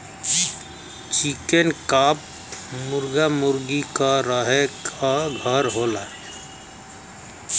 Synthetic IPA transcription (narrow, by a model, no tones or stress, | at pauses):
t͡ʃikenkaːp̚ | mʊɾɡamʊɾɡikaɾəɦekʰaɡʱəɾɦoːlaɛ